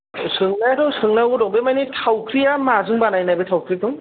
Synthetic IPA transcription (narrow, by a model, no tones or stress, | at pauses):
sɯŋnajatʰɔsɯŋnawɡɔdɔŋbemajnitʰawkʰɾijamazɯŋbanajnajbɯtʰawkʰɾijatʰɔŋ